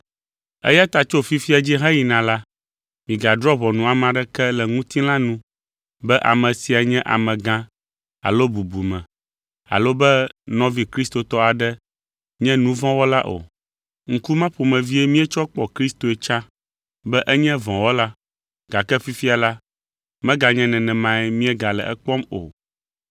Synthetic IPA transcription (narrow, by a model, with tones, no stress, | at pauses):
ɛ̰˦ja˦t̪a˨t͡ʃo˦fi˦fi˦a˨d͡ʑi˦ɦɛ̃˦ji˨nã˨la˦ | mĩ˨ɡa˨dɾɔ˦βɔ˨nũ˨a˨m˨ã˨ɖɛ˦kɛ˦lɛ˨ŋũ˦t̪i˦lã˦nũ˦ | bɛ˦ʔa̰˨mɛ̃˨si˨a˨ɲɛ̃˦ʔa̰˨mɛ̃˨ɡã˦ | a̰˨lo˦bu˨bu˨mɛ̃˨ | a̰˨lo˦bɛ˦nɔ̃˦vi˦kɾi˦st̪o˨t̪ɔ˦a˨ɖɛ˦ | ɲɛ̃˦nũ˦vɔ̃˦wɔ˦la˦ʔo̰˨ | ŋ̩˦ku˦mã˦ɸo˨mɛ̃˨vi˦ɛ˦mĩ˦ɛ˦t͡ʃɔ˦k͡pɔ˨kɾi˦st̪o˨ɛ˨t͡ʃã˦ | bɛ˦ʔɛ˦ɲɛ̃˦vɔ̃˨wɔ˦la˦ | ɡ̥a˨kɛ˦fi˦fi˦a˨la˦ | mɛ̃˦ɡa˨ɲɛ̃˦nɛ̃˨nɛ̃˨mã˨ɛ˦mĩ˦ɛ˦ɡa˨lɛ̰˨ʔɛ˦k͡pɔ˦mo̰˨